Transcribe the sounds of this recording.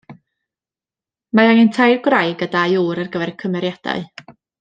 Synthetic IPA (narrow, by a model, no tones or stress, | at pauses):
maaŋəntʰajrɡrajɡədajuːɾərɡəvɛɾkʰəmɛɾjad̥a̰ɨ